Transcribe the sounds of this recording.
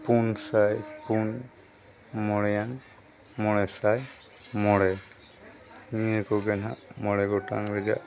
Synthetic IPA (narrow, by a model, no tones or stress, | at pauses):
punsajpun | mɔɽɛjan | mɔɽɛsaj | mɔɽɛ | ŋiɛkɔɡɛna̰mɔɽɛɡɔta̰ŋɾɛd͡ʒa̰ʔ